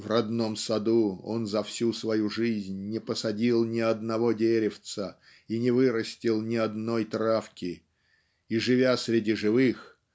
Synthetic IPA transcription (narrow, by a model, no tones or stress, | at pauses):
vrɐd̪no̞msɐd̪uo̞nzɐfsʲusvɐjuʐɨzʲnʲnʲɪpəsɐdʲilˠnʲɪɐd̪nɐvo̞dʲeɾʲɪft̪sə | inʲɪvɨɾəsʲtʲɪlˠnʲɪɐd̪nojt̪ɾafkʲɪ | iʐɨvʲasɾʲɪdʲiʐɨvɨx